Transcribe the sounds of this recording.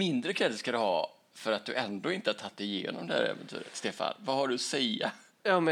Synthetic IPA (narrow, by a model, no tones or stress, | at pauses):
mɪnd̪ɾəkʰɾɛd̪skad̪ɵhɑː | fœɾat̪̚d̪ɵʔɛnd̪oːɪnt̪əhaʈʰtʰat̪ːɛɪjḛːnɔ̰md̪ɛhæ̰ɾɛ̰vɛnt̪ʰʉ̟ːɾət̪st̪eːfa̰nvahaɖɵsɛja̰ | jɑːmɛ